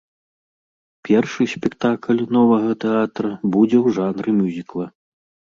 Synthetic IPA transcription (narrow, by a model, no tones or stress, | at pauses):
pʲɛrʂɨsʲpʲɛkt̪aklʲnɔvɐɣɐt̪ɛat̪ɾɐbud͡zʲɛwʐanɾɨmʲuzʲiklˠɐ